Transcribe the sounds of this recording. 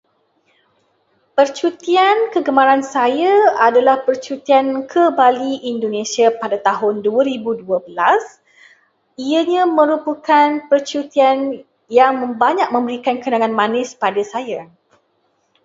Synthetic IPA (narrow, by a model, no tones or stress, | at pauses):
pərt͡ʃut̪iankəɡəmãɾansajaadalahpərt͡ʃut̪iankʰəbaliʔindonẽsiapadat̪aɦʊnduaɾibuduəbəlas | iaɲãmə̃ɾupukanpərt͡ʃut̪ian | jaŋmə̃mbaɲãk̚mə̃mbəɾikankənãŋãnmãnɪspadasaja